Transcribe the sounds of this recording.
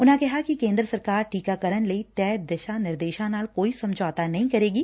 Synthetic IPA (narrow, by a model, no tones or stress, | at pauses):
ʊnɦãkɛɦakikẽːnd̪ɾəsɐɾkaːɾʈiːkakɐɾənleit̪ɛːd̪ɐʃanɪɾd̪eːʃãnaːlkoːisɐ̃md͡ʒʱɔːt̪anɐɦĩkɐɾeːɡiː